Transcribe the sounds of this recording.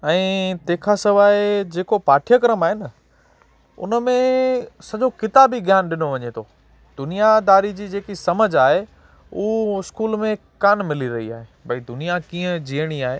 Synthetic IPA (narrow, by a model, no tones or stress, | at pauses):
ɛ̃ːt̪eːkʰasɐʋaːed͡ʑeːkopaːʈʰijəkəɾəmaːɦenə | ʊ̰nəmẽsɐʄokɪt̪aːbiɡʱjaːnɗɪnoʋɐɲet̪ʰo | d̪ʊnijad̪aːɾid͡ʑiːd͡ʑeːkisɐməd͡ʑʱaːɦe | uːɪskuːlmẽkaːnmɪliɾɐɦia̰ːɦebʱɐid̪ʊnijakiːə̃d͡ʑiːəɽ̃iaːɦe